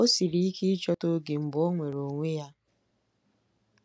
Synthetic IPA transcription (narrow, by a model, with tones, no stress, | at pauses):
o˦si˨ɾi˨i˦ki˦i˦t͡ʃɔ˦to˦ɡe˨m̩˨bo˦ŋʷe˨ɾo˨ŋʷe˦ja˦